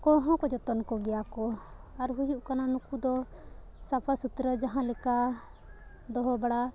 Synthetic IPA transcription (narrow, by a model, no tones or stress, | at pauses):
kɔɾɦɔ̃kɔd͡ʒɔt̪ɔnkɔɡɛjakɔaɾɦud͡ʒuʔkananukud̪ɔ | sapʰasut̪ɾəd͡ʒaɦãlɛka | d̪ɔɦɔbaɽa